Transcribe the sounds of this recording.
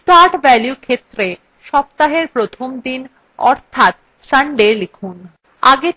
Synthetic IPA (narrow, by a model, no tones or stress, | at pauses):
t̪aɾʈbɛljukʰet̪ːɾe | ʃɔb̚t̪aɦeɾpɾot̪ʰomd̪in | ɔ̰ɾt̪ʰat̪ | saɳɖelikʰun | a̰ɡe